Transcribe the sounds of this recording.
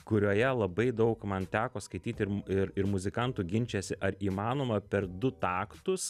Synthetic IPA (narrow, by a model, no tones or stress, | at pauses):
kʊɾʲoːjɛlˠɐbɐɪd̪ɐʊkmɐnt̪ʲæːkoːskɐɪt̪ʲiːt̪ʲɪɾɪɾɪɾmʊzʲɪkɐnt̪uːɡʲɪnʲt͡ʃʲɛsʲɪʔɐɾiːmɑːnoːmɐpʲɛɾd̪ʊt̪ɑːkt̪ʊs